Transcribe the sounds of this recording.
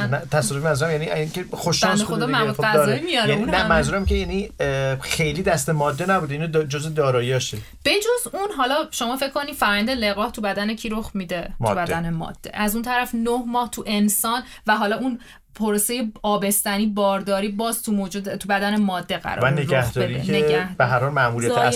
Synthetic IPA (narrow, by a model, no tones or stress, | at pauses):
mt̪ʰæsɔd̪ofimænzuɾæmjæniiŋkʲexoʃnd̪exod̪ɒːmæoæzɒːimijɒjæniunnæmænzuɾæmkeinixe̞jliːd̪æst̪emɒːd̪ːenæbuːd̪eind̪d͡ʒozed̪ɒːɾɒːjɒʃe | b̥e̞d͡ʒozunɦɒːlɒʃo̞mɒːfekʰkʰoniːd̪fæɾɒjænd̪eleɣɒːht̪ʰubæd̪ænecʰiɾoχmid̪ebæd̪ænemɒ̰d̪̥ːe̞̰ʔæzunt̪ʰæɾæfnohmɒːht̪ʰuʔe̞nsɒːn | væɦɒːlɒun | pʰoɾosejeɒːbe̞st̪æniːbɒːɾd̪ɒːɾiːbɒːzt̪ʰumod͡ʒed̪t̪ʰubæd̪ænemɒːd̪ːeɣæ̰ɾɒ̰æɾneɾɡæhd̪ɒeɾieneæhbeɦæɾhɒːlmæmuɾijæt̪